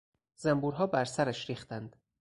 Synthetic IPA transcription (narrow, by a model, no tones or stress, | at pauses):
zæmbuːɾɦɒːbæɾsæɾæʃɾiːxt̪ænd̪̥